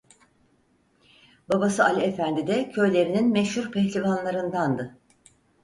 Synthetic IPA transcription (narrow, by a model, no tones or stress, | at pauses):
babasɯʔalʲefænd̪id̪ɛcʰø̞jlʲe̞ɾininmɛʃhuɾpʰɛçlʲivanlˠaɾɯnd̪and̪ɯ